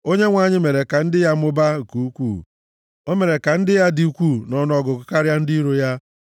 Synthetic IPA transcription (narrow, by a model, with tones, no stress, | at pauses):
o˦ɲe˦ŋʷa˨ɲɪ˦me˨ɾe˨ka˨n̩˦dɪ˦ja˦mʊ˦ba˦ŋ̩˨ku˨u˦kʷuː˦˨ | o˦me˨ɾe˨ka˨n̩˦dɪ˦ja˦di˦u˦kʷu˦˨nɔ˦n˦ɔ˦ɡʊ˨kʊ˦ka˦ɾja˦n̩˦di˦ɾo˦ja˦